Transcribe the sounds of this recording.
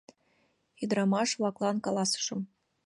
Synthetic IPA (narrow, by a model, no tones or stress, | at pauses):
id̪ɾɑmɑʂvlˠɑklˠɑnkɑlˠɑsɤ̥ʂɤ̆m